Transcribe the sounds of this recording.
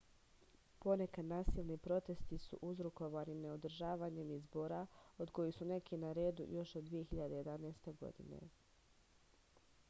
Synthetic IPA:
po̞ne̞kad̪naːsiːlˠnipɾo̞t̪e̞st̪isṵʔuzɾuko̞ʋanineo̞d̪ɾ̩ʒaːʋaːɲemizbo̞ɾao̞d̪ko̞jisune̞kinaɾe̞ːd̪ṵjo̞ʃod̪d̪ʋije̞xiʎad̪e̞je̞d̪anaːst̪e̞ɡo̞̰d̪ḭne̞̰

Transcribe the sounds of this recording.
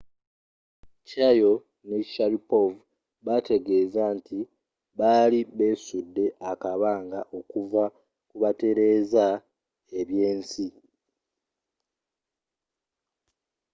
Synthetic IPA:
cajo̞ | neci̥ʃaɾipov | βate̞ɡe̞ːzanti | βaːliβe̞ːsudːe̞ʔakaβaːŋɡaʔo̞kuva | kuβate̞ɾe̞ːza | e̞βje̞ːnsi

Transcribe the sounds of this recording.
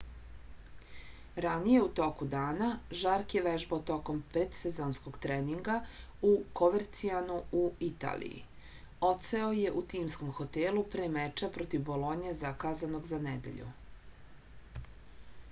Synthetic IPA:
ɾanije̞ut̪o̞kud̪aːnaʒaɾkje̞ʋeʒbaot̪o̞ko̞mpɾed̪sezoːnsko̞ɡt̪ɾeniŋɡa | uko̞ʋeɾt̪sianuuit̪a̰ːlḭjḭ | o̞t̪seoje̞ʔut̪iːmsko̞mxo̞t̪elupɾemet͡ʃapɾo̞t̪iʋbo̞lˠo̞ɲezakaːzano̞ɡzanɛd̪e̞̰ʎṵ

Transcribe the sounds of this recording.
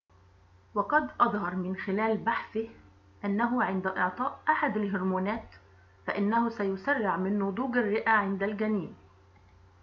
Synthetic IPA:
wɑqɑd̪ʔɑðˤhɑɾˤmɪnxɪlæːlbaħθɪh | ʔanːaɦʊʕɪnd̪aʔɪʕt̪ˤɑːʔʔaħad̪alɦʊɾmuːnæːt̪ | faʔɪnːahʊsajʊsarːɪʕmɪnːʊd̪ˤuːɡarːɪʔaʕɪnd̪alɡæniːm

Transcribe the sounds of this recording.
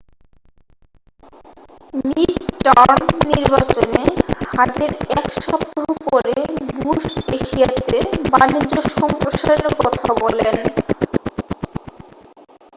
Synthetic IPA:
mitʈɔɾnːiɾbat͡ɕonehaʈeɾɛkʃɔpt̪oɦopoɾebuʃʈeʃiat̪ebanid͡ʑːoʃɔmpɾoʃaɾonokɔt̪ʰabɔlen

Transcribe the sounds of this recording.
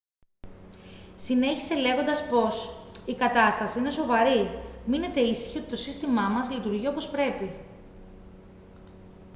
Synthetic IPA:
sine̞çi̥se̞le̞ɣo̞nd̪ɐspo̞sikɐt̪ɐst̪ɐsiine̞so̞vɐɾimine̞t̪e̞isi̥çio̞t̪i̥t̪o̞sist̪imɐmɐzlit̪uɾʝio̞po̞spɾe̞pi

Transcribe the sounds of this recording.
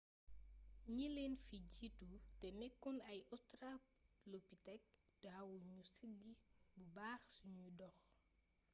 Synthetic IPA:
ɲilenfiɟitutɛnɛkːunɐjɔtɾaplopːitɛk̚d̥awuɲusiɡibubaːxsuɲudɔx

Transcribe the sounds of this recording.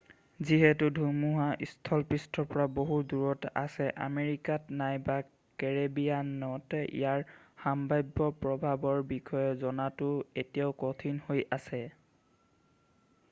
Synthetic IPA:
ziɦɛtʊdʱumuɦaʔistʰɔlpistʰɔɹpɔɹaboɦuduɹɔta̰sɛʔa̰meɹikatnajba | kɛɹebijannɔtɛʔḭjaɹhambajbːɔpɹɔbʱabɔɹbikʰɔjɔzɔnatʊetijaʊkɔtʰinhojʔasɛ

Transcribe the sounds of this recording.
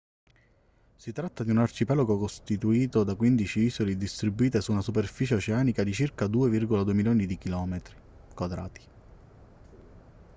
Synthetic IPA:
sit̪ɾat̪ːad̪iunart͡ʃipɛloɡokost̪it̪uiːt̪od̪akwind̪it͡ʃiiːsolid̪ist̪ɾibːuiːt̪esuːnasuperfiːt͡ʃeot͡ʃeaːnikad̪it͡ʃirkad̪uːevirɡolad̪uemiljoːnid̪ik̟ilɔːmet̪ɾi | kwad̪ɾa̰ːt̪i̥

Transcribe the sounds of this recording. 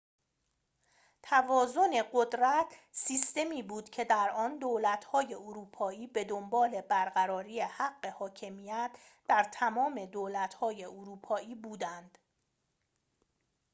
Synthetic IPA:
t̪ʰævɒːzo̞ne̞ɢod̪ɾæt̪ʰsiːst̪e̞miːbuːd̪̥cʰe̞d̪æɾɒnd̪oːlæt̪ʰhɒːje̞oɾuːpʰɒːiːbe̞d̪ombɒːle̞bæɾɢæɾɒːɾiːehæɢːe̞hɒːcʰe̞miːjæt̪ʰ | d̪̥æɾt̪ʰæmɒːme̞d̪oːlæt̪ʰhɒːje̞ʔoɾuːpʰɒːiːbuːd̪ænd̪̥

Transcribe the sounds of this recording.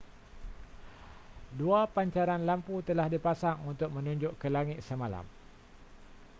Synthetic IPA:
duapaɲt͡ʃaɾanlamput̪əlahdipasaŋunt̪ʊk̚mə̃nũɲd͡ʒʊʔkəlaŋɪt̪̚səmala̰m

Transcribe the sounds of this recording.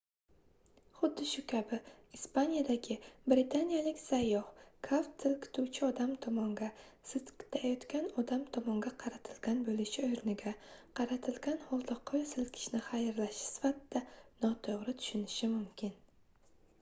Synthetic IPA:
χʊd̪ːɪʃʊkʲʰabɪ | ispanijad̪aɡʲɪbɾɪt̪ʰanijalɪkʲsajːɒhkʰaft̪ʰɪlkʲʰɪ̥t̪ʰuwt͡ʃʰɪɒd̪amt̪ʰɒmɒŋɡʲa | sɪzkʲʰɪ̥t̪ʰajɒt̪kʲanɒd̪amt̪ʰɒmɒŋɡʲaqʰɑɾat̪ʰɪlɡʲanbolɪʃɪojɾɪnɪɡʲaqʰɑɾat̪ʰɪlɡʲanholˠd̪ɒqʰːojsɪlkʲʰɪ̥ʃnɪχajɾlaʃɪ̥sɪ̥fat̪d̪anɒt̪ʰoʁɾɪt̪ʰʊ̥ʃʊnɪʃɪmʊmkʲʰɪn

